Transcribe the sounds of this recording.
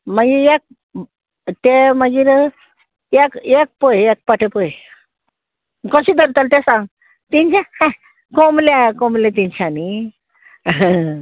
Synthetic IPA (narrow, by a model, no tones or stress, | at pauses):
maɡiek̚ | t̪eməɡiːɾ | ekek̚pojek̚paʈʰepoj | kəɕid̪əɾt̪əlt̪ẽsãŋɡ | t̪iɲt͡ɕã | komlekomlẽt̪iɲt͡ɕʰani